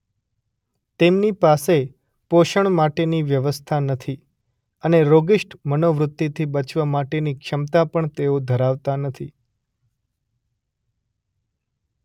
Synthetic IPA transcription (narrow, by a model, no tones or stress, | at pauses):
t̪emnipase | poʃəɳ̃maʈeniʋjəʋəst̪ʰanət̪ʰi | əneɾoɡɪʃʈʰmənoʋɾʊt̪ːit̪ʰibət͡ʃʋamaʈenikʃəmt̪apəɳt̪eod̪ʱəɾaʋt̪anət̪ʰi